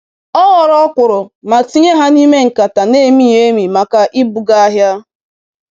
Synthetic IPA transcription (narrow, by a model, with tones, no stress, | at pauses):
ɔ˦ɣɔ˨ɾɔ˦kʷʊ˨ɾʊ˨ma˨ti˦ɲe˦ɦa˦ni˦me˦ŋ̩˨ka˨ta˨ne˦˨mi˦je˦mi˨ma˨ka˨ʔi˦bu˨ɡa˦a˦ɦja˦